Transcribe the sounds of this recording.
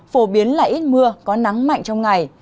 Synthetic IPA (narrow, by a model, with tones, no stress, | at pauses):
fo˧˩ɓi˨˦ənlaː˨˩ʔi˦˥t̚mɨ˧əkɔ˨˦na˨˦ŋma̰˧˨jŋt͡ɕɔ˧wŋ͡mŋa˨˩j